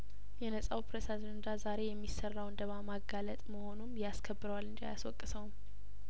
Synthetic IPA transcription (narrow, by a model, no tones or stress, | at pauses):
jɛnəsʼawpɾesad͡ʒənd̪azaɾe̞jɛmːisərːawnd̪əβamaɡalət̪ʼməho̞numjaskʰəbːɨɾəwalːɨnd͡ʒia̰jaswɔkʼːɨsəwum